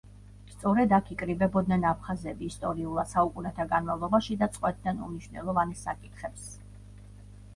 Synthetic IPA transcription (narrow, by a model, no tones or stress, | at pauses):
st̪sʼɔɾɛd̪akʰikʼɾibɛbɔd̪̚nɛnapʰχazɛbiːst̪ʼɔɾiulˠasaukʼunɛt̪ʰaɡanmavlˠɔbaʃid̪at̪sʼqʼwɛt̪̚ʰd̪anṵmniʃwnɛ̰lˠɔvansa̰kʼit̪ʰχɛps